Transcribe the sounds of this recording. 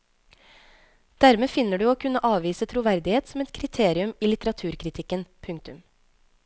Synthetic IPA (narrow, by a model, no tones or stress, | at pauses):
d̪̥æɾmeːfɪnəɖʉːoːkʰʉnəʔɑːʋiːsət̪ʰɾuːʋæɾd̪ɪheːt̪sɔmɛt̪kʰɾɪt̪ʰeːɾɪʉmiːlɪt̪əɾɑt̪ʰʉːɾkʰɾɪt̪ʰɪkənpʰʉŋkt̪ʉm